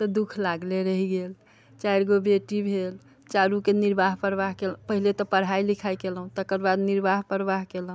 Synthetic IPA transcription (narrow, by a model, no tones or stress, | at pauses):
t̪ɔd̪ukʰlaɡleɾəɦiɡel | t͡ʃajɾɡobeʈibʱel | t͡ʃaɾukeniɾbaɦpɾəʋaɦkelũpəɦilet̪ɔpəɽ̤ɦailikʰajkelɦũt̪əkəɾbad̪niɾbaɦpəɾbaɦkelɦũ